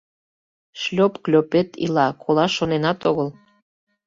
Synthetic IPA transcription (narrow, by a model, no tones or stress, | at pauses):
ʃlʲopklʲopet̪ḭlɑkʰolɑʃonenɑt̪oɣəl